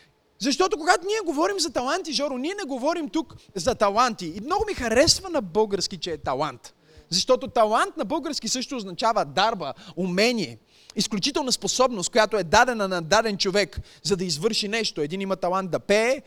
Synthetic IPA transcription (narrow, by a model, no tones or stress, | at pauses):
zɐʃt̪ɔt̪okoɡat̪oniɛɡovɔɾimzɐt̪ɐlˠant̪iʒɔɾʊniɛnɛɡovɔɾimt̪ukzɐt̪ɐlˠant̪iːmnɔɡʊmixɐɾɛsvɐnɐbɤlˠɡəɾskit͡ʃɛːt̪ɐlˠant̪ | zɐʃt̪ɔt̪ot̪ɐlˠant̪nɐbɤlˠɡəɾskʲisɤʃt̪oːznɐt͡ʃavəd̪aɾbəumɛnʲiɛ | isklʲut͡ʃit̪ɛlˠnɐsposɔbnost̪kojat̪oɛd̪ad̪ɛnɐnɐd̪ad̪ɛnt͡ʃovɛk | zɐd̪ɐizvɤɾʃinɛʃt̪oɛd̪inimɐt̪ɐlˠant̪̚d̪ɐpɛː